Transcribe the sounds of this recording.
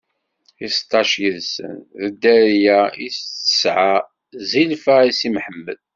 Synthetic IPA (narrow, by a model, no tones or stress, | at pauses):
ist̪ˤːɑʃjəðsə̰nðəd̪ːæɾjæisə̥sʕa | zilfæisimħəmːə̰l